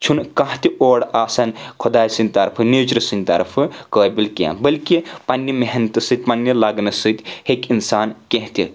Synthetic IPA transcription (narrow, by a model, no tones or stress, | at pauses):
t͡ʃʰunkɐ̃ɦt̪iʔoːɽaːsɐnkʰod̪aːjsɨnʲt̪ɐɾpʰɨned͡ʒɾɐsɨnʲt̪ɐ̰ɾpʰɨkəːbilkʲã̰bɐlkipɐnːimeɦnt̪ɨsɨt̪̚ʲpɐnːɐlaɡnɐsɨt̪ʲhekinsaːnkẽɦt̪i